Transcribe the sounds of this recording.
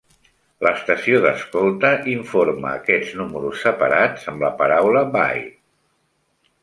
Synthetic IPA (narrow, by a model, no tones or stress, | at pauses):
ləst̪əsioðəskolˠt̪əʔiɱfoɾmə̰ːkɛd͡znuməɾusːəpə̰ɾad͡zəmləpəɾawləba̰j